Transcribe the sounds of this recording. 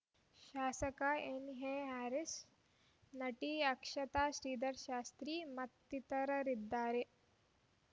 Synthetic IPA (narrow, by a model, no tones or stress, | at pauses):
ʃaːsɐkaeːniɦeɦæːɾis | nɐʈiːɐkʃɐt̪aːʃɾiːd̪ɐɾʃaːst̪ɾiːmɐt̪ːit̪ɐɾɐɾid̪ːaːɾe